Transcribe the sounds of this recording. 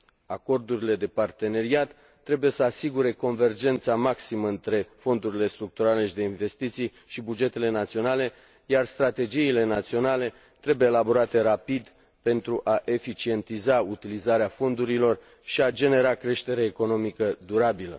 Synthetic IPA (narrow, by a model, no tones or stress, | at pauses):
ako̞rd̪uɾile̞d̪e̞part̪e̞ne̞ɾiat̪ː | ɾe̞buje̞səasiɡuɾe̞ko̞nve̞rd͡ʒe̞nt̪samaksiməɨnt̪ɾe̞fo̞nd̪uɾile̞st̪ɾuk̚t̪uɾale̞ʃid̪e̞inve̞st̪it̪sij | ʃibud͡ʒe̞t̪e̞le̞nat̪sio̞nale̞ | jarst̪ɾat̪e̞d͡ʒiːle̞nat̪sio̞nale̞ | t̪ɾe̞bujeelabo̞ɾat̪e̞ɾapid̪ | pe̞nt̪ɾuʔaʔe̞fit͡ʃie̞nt̪izaut̪ilizaɾeafo̞nd̪uɾilo̞r | ʃiad͡ʒe̞ne̞ɾakɾe̞ʃt̪e̞ɾeːko̞no̞mikəd̪uɾabilə̰